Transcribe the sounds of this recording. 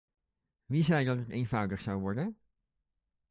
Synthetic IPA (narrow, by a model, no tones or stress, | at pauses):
ʋizɛjdɑtəteːnvʌwdəχsɑwʋɔɹdən